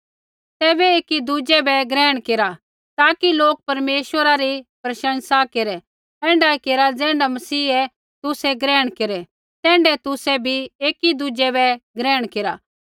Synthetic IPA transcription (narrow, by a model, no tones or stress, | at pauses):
t̪ɛːbɛeːkid̪ud͡ʒɛbɛɡɾɛːɽ̃keːɾa | t̪aːkiloːk̚pɐɾmeːʃʋəɾaɾipɾɐʃə̃nsakeɾɛ | ɛ̃ːɳɖakeɾad͡zɛ̃ːɳɖamɐsiːɛ | t̪ʊsɛɡɾɛːɽ̃keɾɛ | t̪ɛ̃ːɳɖɛt̪ʊsɛbʱieːkid̪ud͡ʒɛbɛɡɾɛːɽ̃keːɾa